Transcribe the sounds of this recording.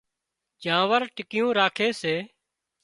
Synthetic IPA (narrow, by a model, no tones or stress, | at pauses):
d͡ʒãːʋəɾʈɪkɪjũːɾaːkʰeːseː